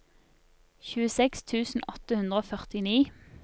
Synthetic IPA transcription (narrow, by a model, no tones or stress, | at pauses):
çʉːəsɛkst̪ʰʉːsn̩ʔɔt̪əhʉnʁəoːfœʁt̪ɪniː